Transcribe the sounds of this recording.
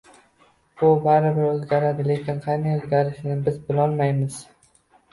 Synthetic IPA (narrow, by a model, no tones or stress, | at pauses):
bʊbaɾɪbɪɾɵzɡʲaɾad̪ɪle̞kʲɪnqʰɑjnajɵzɡʲaɾɪʃɪnɪbɪzbɪlˠɒlˠmajmɪz̥